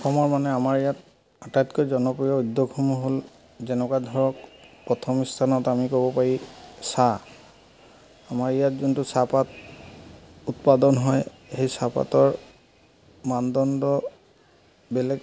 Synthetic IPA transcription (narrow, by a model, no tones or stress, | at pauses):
ɔxʰɔmɔɹmanɛamaɹijat | atajtkojzɔnɔpɹijɔud̪ːoɡʰɔmɔɦol | zɛnɔkadʱɔɹɔkpɹɔtʰɔmistʰanɔtamikobɔpaɹisa | amaɹijatzuntʊsapat | utpadɔnɦɔj | hejsapa̰tɔɹ | mandɔndɔ | bɛlɛk